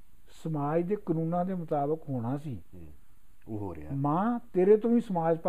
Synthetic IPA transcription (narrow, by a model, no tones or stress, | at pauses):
səmaːd͡ʒd̪eːkənũːnãːd̪eːmʊt̪aːbəkɦoːɽ̃aːsiː | mãːt̪eːɾeːt̪õːĩːsəmaːd͡ʒp